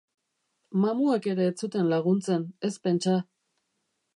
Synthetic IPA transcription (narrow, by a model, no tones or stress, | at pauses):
mamueke̞ɾe̞ːt͡sut̪e̞nlaɣ̞unt͡se̞ne̞spe̞nt͡ʃa